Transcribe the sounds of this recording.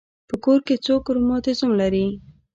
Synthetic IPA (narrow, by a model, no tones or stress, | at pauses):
pəkoɾket͡sokʊɾomɑt̪ɪzumlaɾi